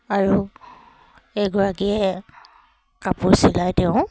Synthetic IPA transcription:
aɹu | ɛɡɔɹakiɛ | kapʊɹsilajtɛʊ̃

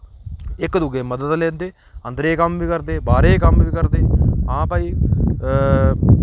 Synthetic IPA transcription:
ɪkd̪uɡeːməd̪əd̪lẽːnd̪eː | ənd̪ɾeːkəmʋiːkəɾd̪eːbaːɾeːkəmʋiːkəɾd̪eːɦãːpaːiː

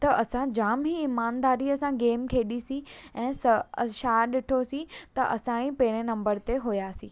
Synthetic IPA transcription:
t̪ɐʔɐsãd͡ʑaːmɦiːmaːnd̪aːɾiɐsãɡeːmkʰeːɗisĩɛ̃ːsɐʃaːɗɪʈʰosĩt̪ɐʔɐsãːɽ̃ĩpeːɽ̃enɐ̃mbəɾt̪eɦojaːsĩː

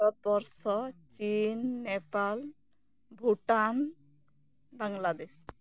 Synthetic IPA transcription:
ɔt̪̚bɔɾsɔt͡ʃinːepal | bʱuʈan | baŋlad̪es

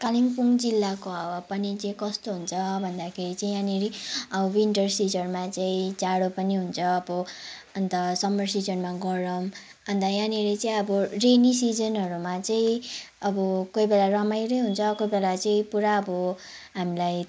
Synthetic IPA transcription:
kaliŋpuŋd͡zilːakoawapʌnit͡sʌĩkʌst̪oɦunt͡sʰʌbʱʌnd̪akʰeɾit͡saĩjãniɾiʌbʌwiɳʈʌrsid͡zʌrmat͡saĩt͡saɽopʌniɦunt͡sʰʌːbʌ | ʌnt̪ʌsʌmʌrsid͡zʌnmaɡʌɾʌm | ʌnt̪ajãniɾet͡saĩʌbʌrenisid͡zʌnɦʌɾumat͡saĩ | ʌbʌkojbelarʌmajɾʌjɦunt͡sʰʌkojbelat͡sʌĩpuɾaʌbʌ | ɦamilaj

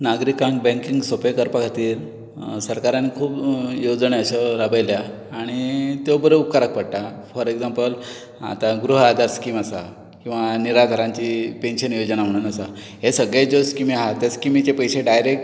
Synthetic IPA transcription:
naɡɾikãŋk̚bɛ̃ŋkiŋɡsopekəɾpəkʰat̪iːɾ | səɾkaɾãnːikʰuːbjod͡zɳeəɕaɾabəjljaː | ɽ̃it̪ebəɾeup̚kaɾək̚pəɽʈafəɾeɡd͡zampəl | a̰t̪aɡɾuɦad̪ʱaɾskiːməsa̰ | kĩw̃ʋaniɾad̪ʱəɾãɲt͡ɕiːpenɕənjod͡ʑənam̤əɽ̃uːnasa | ɦesəɡɭed͡ʑoskimiɦat̪jaskimit͡ɕepəjseɖajɾek̚ʈ

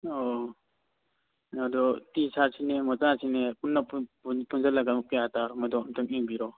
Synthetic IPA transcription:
ɔ | nadɔtisʰaɾsinemɔzasinepunːappunzalaɡampijataɾmɔdɔmtɯŋiŋbiɾɔ

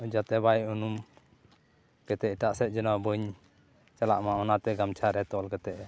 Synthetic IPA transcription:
ud͡ʒat̪ɛbajunum | kɛt̪ɛiʈaʔsɛt̪̚d͡ʒɔnawbəɲ | t͡ʃalaʔmaɔnat̪ɛɡamt͡ʃʰaɾɛt̪ɔlkɛt̪ɛʔ

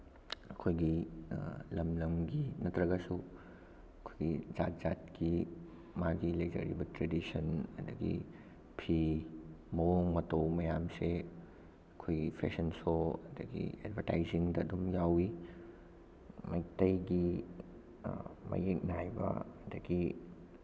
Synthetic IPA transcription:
ɐkʰojɡi | lɐmlɐmɡinɐtɾɐɡɐsu | ɐkʰojɡid͡ʒat̚z̥at̚ki | maɡilɐjd͡ʒɐ̰ɾḭbɐtɾedisɐnɐ̰dɐɡḭ | pʰi | mɐwoŋmɐtowmɐjamse | ɐkʰojɡipʰḛsɐnsoɐdɐɡḭedbʱɐɾtajziŋdɐːdumjawi | mɐjk̚tɐjɡi | mɐ̰jek̚najbɐ̰ɐdɐɡi

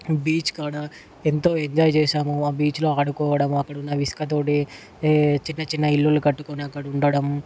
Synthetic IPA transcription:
biːt͡ʃkaːɽɐ | ent̪o̞ːeɲd͡ʒaːjt͡ʃeːʂaːmuaːbiːt͡ʃlo̞ːɐɽukɔːʋɐɽɐmɐkːɐɽɐunːɐʋiskɐt̪̬o̞ːʈi | t͡ʃinːɐt͡ʃinːɐilːulukɐʈːukoːniɐkːɐɽɐuɳɖɐɽɐm

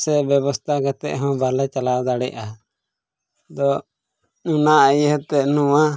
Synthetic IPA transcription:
sɛbɛbɔst̪ʰaɡɛt̪ɛ̰ʔɦɔ̃balɛt͡ʃalawd̪aɽɛʔa | d̪ɔ | unaʔəjɦɛt̪ɛnũwa

